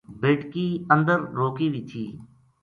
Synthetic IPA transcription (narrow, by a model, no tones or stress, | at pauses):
beːʈkiːə̃nd̪əɾɾoːkiːʋiːt̪ʰḭː